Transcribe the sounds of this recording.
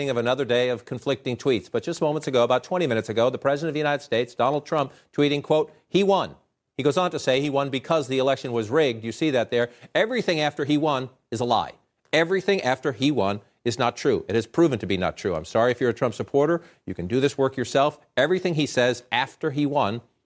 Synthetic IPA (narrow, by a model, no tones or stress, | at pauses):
ɪ̃ŋʌvɨnʌðə˞deɪʌv̥kʰɨ̃ɱflɪk̚tɪ̃ŋtʰw̥itsb̥ʌt̚d̥ʒ̥ʌst̚mõʊ̃mə̃ntsɨɡoʊəbaʊtʰw̥ɛ̃ɾ̃imɪ̃ñɨtsɨɡoʊðəpʰɹ̥ɛzɨɾɨ̃nʌvðjʉnaɪɾɨd̥steɪtsd̥ɑnl̩ˠd̚tʰɹ̥ʌ̃mp̚tʰw̥iɾɪ̃ŋkʰw̥oʊt̚ | hiwʌ̃n | iɡoʊzn̩tɨseɪiwʌ̃nbɨkʰʌzðiɨlɛkʃɨ̃nwʌzɹɪɡ̚djɨsiðɨt̪̚ðə˞ɛvɹiθɪ̃ŋæftə˞iwʌ̃n | ɨzəla̰ɪ | ɛvɹiθɪ̃ŋʔæftə˞iwʌ̃n | ɨznətʰɹ̥ʉʔɨɾɨz̥pʰɹ̥ʉṽn̩tʰɨbinə̰tʰɹ̥ʉãɪ̃msɑɹiɨfjə˞ɨtʰɹ̥ʌ̃mpsɨpʰɔɹɾə˞jɨkɨ̃n̩dɨðɪswɜ˞kjə˞sɛlˠf | ɛvɹiθɪ̃ŋisɛzæftə˞iwʌ̃n